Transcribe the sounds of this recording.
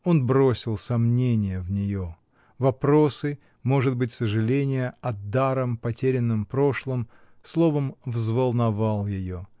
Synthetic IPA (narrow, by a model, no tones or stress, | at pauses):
o̞nbɾo̞sʲɪlˠsɐmnʲenʲɪjəvnʲɪjo | vɐpɾo̞sɨ | mo̞ʐɨd̪̚bɨtʲsəʐɨlʲenʲɪjəɐd̪aɾəmpɐtʲeɾʲɪnːɨmpɾo̞ʂlˠəm | slˠovəmvzvəlˠnɐvalˠjɪjo̞